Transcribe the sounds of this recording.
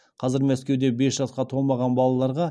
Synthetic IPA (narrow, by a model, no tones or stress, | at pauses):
qʰɑzɪɾmæskʲe̞wd̪e̞be̞sʒɑt̪̚qɑt̪ʰo̞lˠmɑʁɑnbɑlˠɑlˠɑɾʁɑ